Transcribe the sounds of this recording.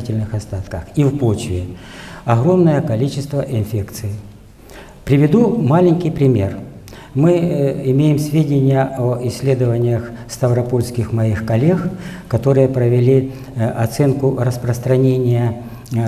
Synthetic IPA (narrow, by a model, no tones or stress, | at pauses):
itʲɪlʲnɨxɐst̪at̪kəxivpot͡ɕvʲɪɐɣɾo̞mnəjəkɐlʲit͡ɕɪst̪vəʔɪnfʲekt̪sɨjɪ | pɾʲɪvʲɪd̪umalʲɪnʲkʲɪjpɾʲɪmʲe̞r | mɨɪmʲejɪmsʲvʲedʲɪnʲɪjəʔəɪsʲːlʲe̞d̪əvənʲɪjəx | st̪ɐvɾɐpo̞lʲskʲɪxmɐixkɐlʲe̞xkɐt̪o̞ɾɨjəpɾəvʲɪlʲi | ɐt̪sɛnkʊrəspɾəst̪ɾɐnʲenʲɪjə